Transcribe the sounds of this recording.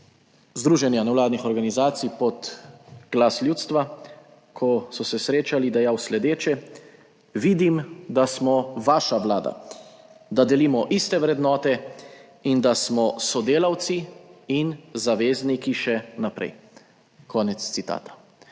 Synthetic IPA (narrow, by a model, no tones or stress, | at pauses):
zd̪ɾuːʒɛnjanɛwlaːd̪nixɔɾɡanizaːt̪sijpɔt̪ɡ̥lasljuːt̪st̪ʋa | kʰɔsɔsɛsɾeːt͡ʃalid̪ɛjawslɛd̪eːt͡ʃɛ | ʋiːd̪imd̪asmɔʋaːʃaʋlaːd̪a̰ | d̪ad̪ɛliːmɔʔist̪ɛʋɾɛd̪nɔːt̪ɛ | ind̪asmɔsɔd̪eːlawt̪siinzaʋeːznikiʃɛnapɾɛ̰j | kʰɔːnɛt̪st̪sit̪a̰ːt̪ḁ